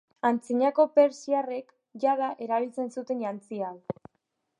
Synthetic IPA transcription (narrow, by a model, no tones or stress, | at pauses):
ant͡siɲako̞pe̞ɾsiare̞k | ʝaðaʔe̞ɾaβit͡se̞nsut̪e̞njant͡sial